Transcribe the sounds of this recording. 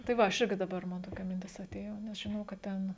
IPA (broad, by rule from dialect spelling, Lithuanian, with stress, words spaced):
tɐɪ ˈʋɐ ˈɐʃ ˈɪrʲɡʲɪ dɐˈbɐr ˈmɐn toːˈkʲɛ mʲɪnʲˈtʲɪs ɐˈtʲeːjoː nʲɛs ʒʲɪˈnɐʊ kɐt ˈtʲɛn